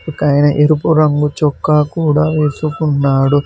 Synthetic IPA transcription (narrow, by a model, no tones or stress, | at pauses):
ukɐjnɐʔeɾupuɾɐŋɡut͡ʃɔkːaːkuːɽaːʋeːsukunːaːɽu